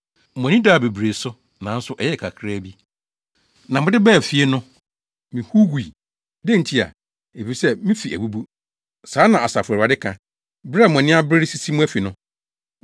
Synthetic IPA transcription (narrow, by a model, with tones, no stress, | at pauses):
mɔ̃˨nĩ˦da˦˨be˨bɾe˨sʊ˦ | nã˨n̩˦sʊ˦ʔɛ˨˦jɛ˦˨kʰa˨kʰɾa˦bi˦ | nã˨mʊ̃˦dɪ˦bɛ˦˨fi˦e˦nʊ̃˦ | mĩ˨hu˦ɡu˨i˨ | dẽ˦˨n̩˨tʰi˦a̰˨ | e˨fi˨sɛ˦mĩ˦fi˨æ̰˨bu˦bu˦ | sãː˨˦nã˨a˨sa˨fʊ˨a˨dɪ˦kʰã˨ | bɾɪ˦a˨m˨ɔ̃˨nɪ̃˦a˦bɾɪ˦ɾɪ˦si˦si˦mũ˦æ˦fi˨nʊ̃˦